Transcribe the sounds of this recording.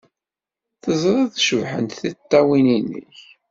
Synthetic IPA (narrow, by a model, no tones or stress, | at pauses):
θəzˤɾˤɑðʃəvħə̰nt̪θit̪ˤːæwininːə̰ç